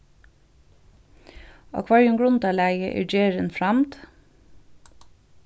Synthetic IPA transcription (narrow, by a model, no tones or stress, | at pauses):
ɑ̰kʰʋɑɹɪʊŋɡɹʊnd̪ɑlæːɡə̰ʔɪ̰d͡ʒeːɹənfɹɑmt̪